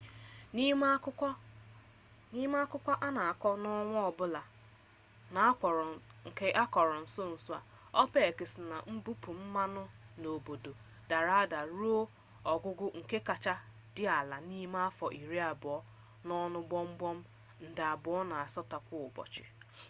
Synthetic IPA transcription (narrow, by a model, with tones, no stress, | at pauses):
ni˦ | ni˦m˦a˦kʊ˦kʷa˦ʔa˦na˨a˨kɔ˦nɔ˦ŋʷɔ˦ɔ˨bʊ˦la˨ | na˨˦˨ŋ̩˨ke˦ʔa˦kɔ˨ɾɔ˨n̩˨so˦n̩˨su˦a˨ | ɔ˦pe˦e˨ke˨sɪ˨na̰˨m̩˦bu˦pu˨m̩˦ma˦nʊ˦no˨bo˨do˨ | d̥a˨ɾa˨a˦da˨ɾu˦o˦ | ɔ˨ɡʷʊ˦ɡʊ˦ŋ̩˨ke˦ka˨t͡ʃa˦ | dɪ˦a˨la˨ni˦m˦a˦fɔ˨ʔi˨ɾi˦a˨bʊ˨ɔ˦ | nɔ˦nʊ˦ɡ͡bɔ˦ŋ͡m̩˦ɡ͡bɔ˦m̩˦ | n̩˨da˨a˨bʊ˨ɔ˦na˨a˨sɔ˦ta˨kʷʊ˦˨ʊ˨bɔ̰˨t͡ʃɪ̰˨